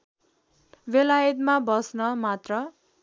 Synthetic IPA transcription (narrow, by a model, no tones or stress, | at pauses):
belajʌt̪mabʌsnʌmat̪rʌ